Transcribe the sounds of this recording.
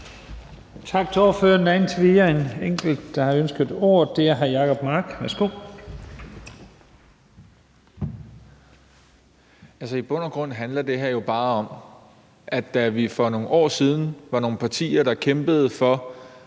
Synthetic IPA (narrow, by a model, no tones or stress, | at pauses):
t͡sʰɑ̈ɡ̥t͡sʰe̝ɒføɐndæn̩t͡sʰʋiːɐe̝neŋ̰ɡ̥l̩d̥ːɑ̈hɑ̈ønsɡ̥ð̩ˠo̝ːɐ̰d̥e̝æɐɦæjɑ̈ːkʰɒ̽b̥mɑːɡ̥ʋæɐsɡ̥o̝̰ː | ælsɐib̥ɔ̽nɐɡ̥ʁɔ̽n̰ɦænlɐd̥e̝ɦeɐjo̝b̥ɑ̈ːɒ̽m | ʔæd̥æʋifɒ̽no̝ːn̩ɒ̰ːsið̞ˠn̩ʋɑ̈no̝ːn̩pʰɑ̈t͡sʰḭːɐɾ̥ɑ̈kʰemb̥əð̞̩ˠfɒ̽